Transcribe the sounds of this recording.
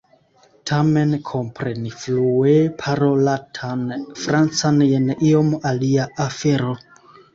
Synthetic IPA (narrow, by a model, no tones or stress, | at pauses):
tʰamenkʰompɾenifluepʰaɾolatʰanfɾant͡sanjenʔiomaliaafeɾo